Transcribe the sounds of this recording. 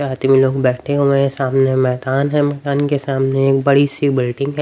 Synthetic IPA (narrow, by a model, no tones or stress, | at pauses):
aːt̪imẽloːɡbɛːʈʰeɦõmẽsaːmnemɛːd̪aːnɦɛ̃mɛːd̪aːnkesaːmneeːk̚bɐɽisibɪlɖɪ̃ŋɡɦɛ